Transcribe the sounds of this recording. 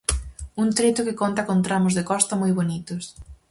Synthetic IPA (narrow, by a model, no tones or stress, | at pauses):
unt̪ɾet̪ʊkɪkont̪akont̪ɾamʊzðekɔst̪ɐmojβonit̪ʊs